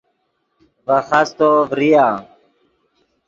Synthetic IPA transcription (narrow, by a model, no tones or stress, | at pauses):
vəxast̪ovɾijaː